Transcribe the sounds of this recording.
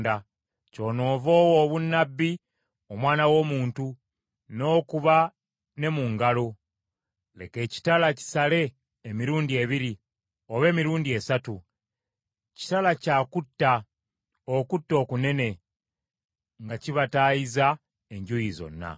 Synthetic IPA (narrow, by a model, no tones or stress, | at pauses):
da | co̞ːno̞ːvo̞ːwoːβunːabːi | omwaːnawo̞ːmuːntu | no̞ːkuβa | ne̞muŋɡalo̞ | le̞ke̞ːci̥talaci̥sale̞ː | miɾuːndie̞βiɾi | o̞βe̞ːmiɾuːndie̞satu | ci̥talacaːkutːa | okutːo̞ːkune̞ne̞ | ŋɡaciβataːjiza | e̞ɲɟujizo̞̰nːa̰